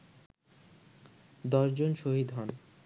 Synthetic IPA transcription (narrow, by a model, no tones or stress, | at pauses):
d̪ɔʃd͡ʑonʃoɦid̪ɦɔn